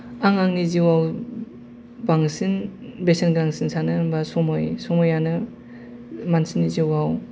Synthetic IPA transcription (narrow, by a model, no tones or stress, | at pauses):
aŋaŋniziwaw | baŋsɯnbesenɡɯɾaŋsinsanɯɯmbasɔmɔjsɔmɔjanɯ | mansinːiziwaw